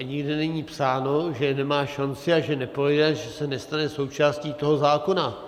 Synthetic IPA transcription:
ɲɪɡdɪnɛɲiːpsaːno̞ʒɛnɛmaːʃant͡sɪaʒɛnɛpɾoɛdɛʒɛsɛnɛst̪anɛso̞wt͡ʃaːsciːt̪o̞ɦo̞zaːko̞na

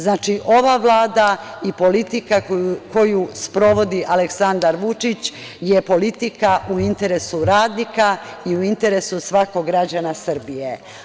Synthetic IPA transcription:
znaːt͡ʃiʔo̞ʋaʋlˠaːd̪aipo̞lit̪ikako̞juspɾo̞ʋo̞d̪iʔaleksand̪aɾʋut͡ʃit͡ɕ | jepo̞lit̪ikaʔuint̪e̞ɾe̞suɾaːd̪nikaiuint̪e̞ɾe̞susʋako̞ɡɾad͡ʑanasr̩bije

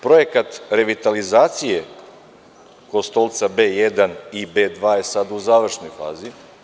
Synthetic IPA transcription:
pɾo̞jekat̪ɾe̞ʋit̪alizaːt̪sije | ko̞st̪o̞lˠt̪sabeːjed̪anibeːd̪ʋaːje̞sad̪uzaːʋr̩ʃno̞jfa̰ːzi

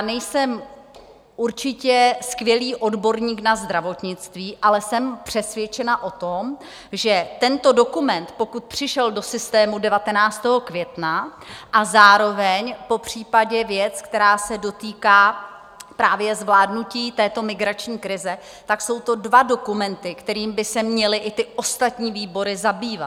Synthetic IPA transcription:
nɛjsɛm | ʔuɾt͡ʃɪcɛskvjɛliːʔo̞dbo̞ɾɲiːknazd̪ɾavo̞t̪ɲɪt͡st̪viːʔalɛsɛmpr̝̥ɛsvjɛt͡ʃɛnaʔo̞t̪om | ʒɛt̪ɛnt̪o̞do̞kumɛnt̪po̞kut̪̚pr̝̥ɪʃɛldosɪst̪ɛːmudɛvat̪ɛnaːt͡st̪ɛːɦo̞kvjɛt̪naʔazaːɾo̞vɛɲpo̞pr̝̥iːpaɟɛvjɛt͡skt̪ɛɾaːsɛdo̞t̪iːkaː | pɾaːvjɛzvlaːdnuciːt̪ɛːt̪o̞mɪɡɾat͡ʃɲiːkɾɪzɛ | t̪akso̞wt̪o̞dvado̞kumɛnt̪ɪkt̪ɛɾiːmbɪsɛmɲɛlɪʔɪt̪ɪʔo̞st̪at̪ɲiːviːbo̞ɾɪzabiːva

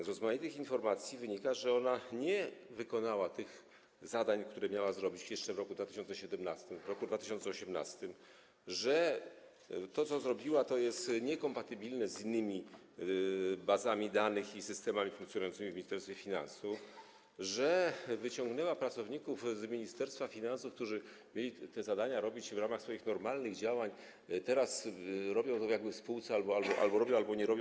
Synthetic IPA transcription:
zɾɔzmajit̪ɘxinfɔɾmat̪sʲjivɘɲikaʐɛɔnaɲɛvɘkɔnawat̪ɘx | zad̪aɲkt̪uɾɛmʲjawazɾɔbʲit͡ɕjɛʂt͡ʂɛvɾɔkud̪vat̪ɘ̥ɕɔntsɛɕɛd̪ɛmnast̪ɘmvɾɔkud̪vat̪ɘɪɕ̬ɔnsɛɔɕɛmna̰st̪ɘm | ʐɛ | t̪ɔt̪sɔzɾɔbʲiwat̪ɔjɛst̪ɲɛkɔmpat̪ɘbʲilnɛzinːɘmʲi | bazamʲid̪anɘxisɘst̪ɛmamʲifuŋkt̪sʲjɔnujɔnsɘmʲivmʲiɲist̪ɛɾst̪fʲjɛfʲina̰nsuf | ʐɛvɘt͡ɕɔŋɡnɛwapɾat̪sɔvɲikufzmʲiɲist̪ɛɾst̪fafʲinansufk̚t̪uʐɘ | mʲjelʲit̪ɛzad̪aɲaɾɔbʲit͡ɕvɾamaxsfɔjixnɔɾmalnɘɣd͡ʑawaɲ | t̪ɛɾasɾɔbʲjɔ̃w̃t̪ɔvjaɡbɘfspuwt̪sɛalbɔalbɔʔa̰lbɔɾɔbjɔ̃w̃albɔɲɛɾɔbʲjɔ̃

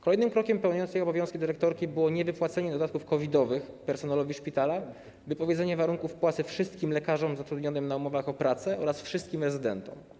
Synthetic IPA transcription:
kɔlɛjnɘmkɾɔkʲɛmpɛwɲɔnt̪ɛjɔbɔvʲjɔ̃skʲid̪ɘɾɛk̚t̪ɔɾkʲibɘwɔɲɛvɘpwat̪sɛɲɛd̪ɔd̪at̪̚kufkɔvʲid̪ɔvɘxpɛɾsɔnalɔvʲiʂpʲit̪ala | vɘpɔvʲjed̪zɛɲɛvaɾuŋkufpwat̪sɘfʂɘst̪̚kʲimlɛkaʐɔmzat̪ɾud̪ɲɔnɘmnaumɔvaxɔpɾat̪sɛʔɔɾasfʂɘst̪̚kʲimɾɛzɘd̪ɛnt̪ɔ̰m

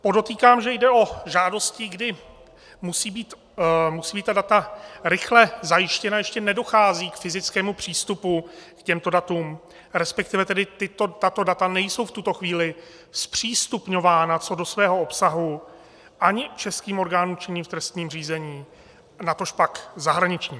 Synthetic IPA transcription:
po̞do̞t̪iːkaːmʒɛjdɛʔo̞ʒaːdo̞scɪɡdɪ | musiːbiːt̪ | musiːbiːt̪t̪adat̪aɾɪxlɛzajɪʃcɛnajɛʃcɛnɛdo̞xaːziːkfɪzɪt͡skɛːmupr̝̥iːst̪upukcɛmt̪o̞dat̪uːm | ɾɛspɛk̚t̪ɪvɛt̪ɛdɪt̪ɪt̪o̞t̪at̪o̞dat̪anɛjso̞wft̪ut̪o̞xviːlɪ | spr̝̥iːst̪upɲo̞vaːnat͡so̞do̞svɛːɦoopsaɦu | ʔaɲɪt͡ʃɛskiːmo̞ɾɡaːnuːmt͡ʃɪɲiːmft̪ɾɛst̪ɲiːmr̝iːzɛɲiː | nat̪o̞ʃpakzaɦɾaɲɪt͡ʃɲiːm

